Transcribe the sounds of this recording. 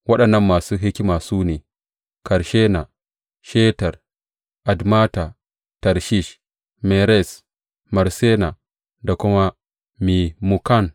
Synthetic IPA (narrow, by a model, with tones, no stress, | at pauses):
wɐ˦ɗɐ˨nːɐ˦mːaː˨su˦ɦi˦kʲi˦ma˨suː˦ne˨ | kɐ˨ɾʃe˦na˨ | ʃe˦ta˨ɾ | ʔa˨dma˦ta˨ | tɐ˨ɾʃi˦ʃ | me˨ɾe˦˨s | mɐ˨ɾse˦na˨ | da˨ku˦ma˦ | mi˨mu˨ka˦˨n